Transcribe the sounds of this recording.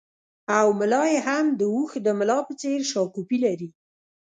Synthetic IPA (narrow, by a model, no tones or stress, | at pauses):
awmɪlɑjeɦamd̪əuxd̪əmɪlɑpət͡seɾʃɑkupilaɾi